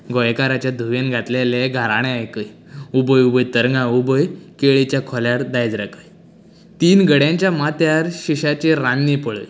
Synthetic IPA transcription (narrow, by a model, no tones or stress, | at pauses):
ɡɔjkaɾat͡ɕjad̪ʱuʋenɡʱat̪leleɡʱaɾaɽ̃ẽajkəj | ubəjubəjt̪əɾŋɡãubəjkeɭit͡ɕjakʰɔljaɽd̪ajd͡zɾəkəj | t̪iːnɡəɽjãɲt͡ɕjamat̪jaɾɕiɕat͡ɕeɾanːipəɭə̰j